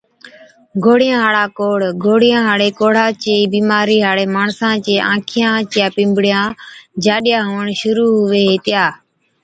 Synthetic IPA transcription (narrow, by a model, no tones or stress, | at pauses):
ɡʱoːɽɪjãːɦaːɽaːkoːɽɡʱoːɽɪjãːɦaːɽeːkoːɽ̤aːt͡ʃeːiːbiːmaːɾiːɦaːɽeːmaːɳsãːt͡ʃeːʔã̰ːkʰɪjãːt͡ʃjãːpɪ̃ːmbɽɪjãːd͡ʒaːɗjãːɦoːəɳʃʊɾuːɦʊʋeːɦeːt̪ɪjaː